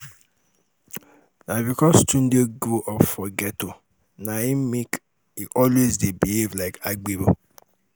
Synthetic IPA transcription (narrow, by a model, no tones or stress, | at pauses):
nabikɔstun̩doɡoʔɔfɔɡɛto | naimek | iʔɔlwezdebiivlaɪkʰaɡ͡bibo